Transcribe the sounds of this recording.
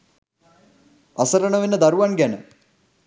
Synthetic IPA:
asəɾənəʋenːəd̪aɾuʋanɡænə

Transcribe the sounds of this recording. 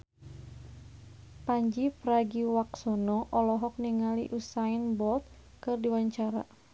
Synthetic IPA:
paɲd͡ʒipɾaɡiwaksɔnɔʔɔlɔɦɔk̚niŋaliʔusainbɔlt̪̚ | kɨrdiwaɲt͡ʃaɾa̰

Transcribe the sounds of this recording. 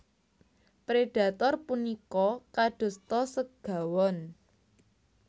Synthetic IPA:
pɾeɖ̥a̤t̪ɔrpunikɔkaɖ̥o̤st̪ɔsəɡ̥a̤wɔn

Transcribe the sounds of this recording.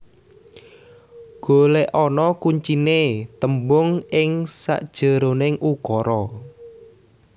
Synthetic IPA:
ɡ̥o̤leʔɔnɔkuɲt͡ʃinet̪əmbʊŋɪŋsa̰ʔd̥ʒ̥ə̤ɾonɪŋʔukɔɾɔ

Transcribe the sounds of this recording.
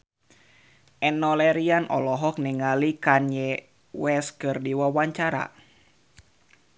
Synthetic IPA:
ʔɛnɔlɛɾianɔlɔɦɔk̚niŋalikanɛ | wɛskɨrdiwawaɲt͡ʃaɾa̰

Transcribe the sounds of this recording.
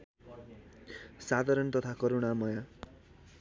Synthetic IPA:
sad̪ʱaɾʌnt̪ʌt̪ʰakʌɾunamʌja

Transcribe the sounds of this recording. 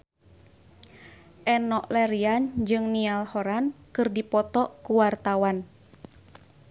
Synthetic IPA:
ʔɛnɔʔlɛɾiand͡ʒɨŋnialhɔɾankɨrdipɔt̪ɔʔkuwart̪awan

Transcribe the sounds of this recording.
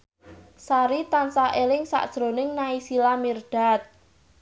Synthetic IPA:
saɾit̪ansaʔelɪŋsa̰ʔd̥ʒ̥ɾo̤nɪŋnaisilamird̪̥a̤t̪̚

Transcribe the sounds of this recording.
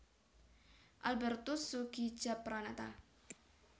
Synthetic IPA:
ʔalbɛrt̪usuɡi̥d͡ʒ̥apɾanat̪a̰

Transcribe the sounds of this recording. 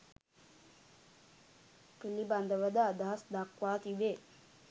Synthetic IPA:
kiliband̪əʋəd̪ad̪aasd̪akʋaːt̪iʋe

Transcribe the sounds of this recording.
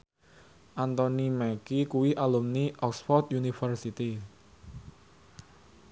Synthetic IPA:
ʔant̪ɔnimɛkikuwiʔalumniʔɔksfɔrt̪̚junifərsit̪i

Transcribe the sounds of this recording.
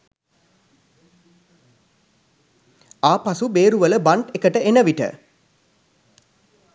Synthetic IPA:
aːpasubeːɾuʋələbaɳʈekəʈəenəʋiʈə̰

